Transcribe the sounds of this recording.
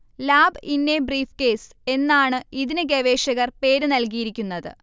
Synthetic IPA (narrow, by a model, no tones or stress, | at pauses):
laːbɨinːebriːfke̞ːse̞nːaːɳɨiðinɨɡeʋe̞ːʂɐɣɐrpe̞ːɾɨnɐlkijiɾikʲːunːɐðɨ̰